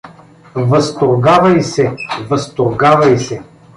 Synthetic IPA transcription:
vɐst̪oɾɡavɐjsɛvɐst̪oɾɡavɐjsɛ

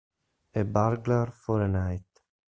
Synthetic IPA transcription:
ebaɾɡlaɾfɔɾənajt̪

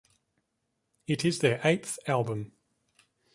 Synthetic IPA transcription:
ɪtʰɪzðəʔeɪt̪θalˠbə̃m

